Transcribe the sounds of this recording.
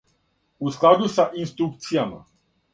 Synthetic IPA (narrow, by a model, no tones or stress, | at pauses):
usklad̪usaʔinst̪ɾuk̚t̪siama̰